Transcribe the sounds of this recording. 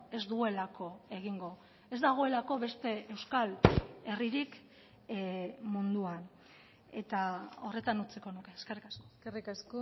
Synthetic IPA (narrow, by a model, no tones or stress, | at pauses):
e̞zd̪ue̞lakʰo̞e̞ɣiŋɡo̞ | e̞zd̪aɣ̞o̞e̞lako̞βe̞st̪e̞e̞wskale̞riɾik | mund̪uan | e̞t̪ao̞re̞t̪anut͡seko̞nuke̞ːskerikaskoerikasko